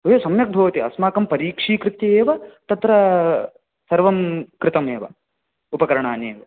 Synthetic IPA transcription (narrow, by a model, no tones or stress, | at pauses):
ojoːsɐmjɐk̚bʱɐʋɐt̪iɐ̰smaːkɐmpɐɾiːkʂiːkɾɪt̪jɐeːʋɐt̪ɐt̪ɾɐ | sɐɾʋɐmkɾɪt̪ɐmeːʋɐ̰ | upɐkɐɾɐɳaːneːʋɐ